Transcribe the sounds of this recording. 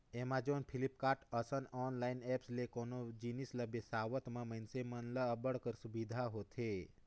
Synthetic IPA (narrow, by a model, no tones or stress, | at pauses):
emãd͡ʒonpʰilipkaʈəsənɔnlainɛpslekonod͡ʒinisləbesaʋət̪mãməjnsemənləəbəɽkəɾsubid̪ʱaɦot̪ʰe